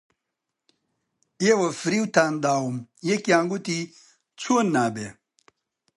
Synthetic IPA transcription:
ewɐfɾiwt̪aːnd̪aːumjekjãːŋɡut̪i | t͡sʰuonːaːbe

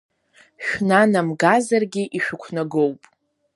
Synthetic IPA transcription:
ʃᶣnanamɡazarɡʲiʔiʃᶣʊkʷʰnaɡowpʼ

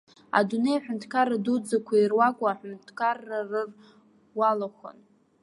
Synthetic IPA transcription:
a̰dunejaħᶣʊntʰkʰaradud͡zakʷʰairwakʷʼaːħʊntʰkʰarːarɨr | walaχʷə̰n

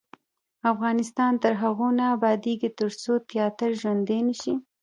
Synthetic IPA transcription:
afɣɑnɪst̪ɑnt̪əɾɦaɣonaːbɑd̪eɡit̪əɾt͡sot̪jɑt̪ɪɾʒwand̪enəʃi

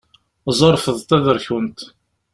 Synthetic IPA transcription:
zˤəɾˤfəðˤt̪æðəɾçwənt̪

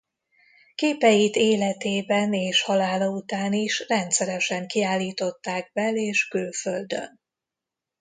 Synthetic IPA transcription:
keːpɛjit̪eːlɛt̪eːbɛneːʃhɒlaːlɒut̪aːniʃrɛnt̪sɛɾɛʃɛŋkiaːlːiːt̪o̞t̪ːaːɡ̚bɛleːʃkyːføld̪ø̰n

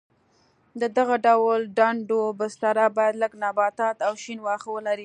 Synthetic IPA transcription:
d̪əd̪aɣaɖawlɖaɳɖobəst̪aɾabɑjad̪ləɡnɑbɑt̪ɑt̪awʃinwɑxwəlaɾi

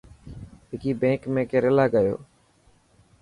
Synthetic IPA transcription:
ɦɪkiːbẽːkmẽːkeːɾɪlaːɡəjo̰ː

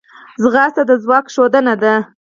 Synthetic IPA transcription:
zɣɑst̪ad̪əzwɑkʃod̪ənad̪a

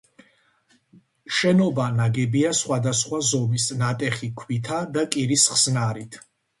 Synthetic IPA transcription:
ʃɛnɔbanaɡɛbiasχwad̪asχwazɔmisnat̪ʼɛχikʰwit̪ʰad̪akʼiɾisχsnaɾit̪ʰ

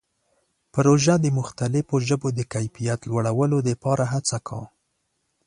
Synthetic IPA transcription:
pɾoʒad̪əmʊxt̪alɪfoʒəbod̪əkajfijat̪lwaɽawəlod̪əpɑɾaɦat͡sakʰɑ̰

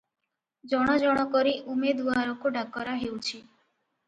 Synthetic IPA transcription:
d͡ʒɔɽ̃ɔd͡ʒɔɽ̃ɔkɔɾiʔumed̪uaɾɔkuɖʱakɔɾaɦewt͡ʃʰi

